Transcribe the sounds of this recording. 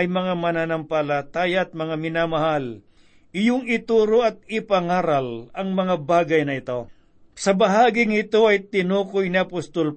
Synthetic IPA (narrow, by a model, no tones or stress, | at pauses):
ɐjmɐŋamɐnanɐmpalat̪aːjaɐt̪̚mɐŋamɪnaːmɐhal | ʔɪjʊŋɪt̪uːɾoʔɐt̪̚ɪpɐŋaːɾɐlɐŋmɐŋabaːɡɐjnɐɪt̪o̞ | sɐbɐɦaːɡɪŋɪt̪o̞ɐjt̪ɪnuːkojnɪɐpost̪ol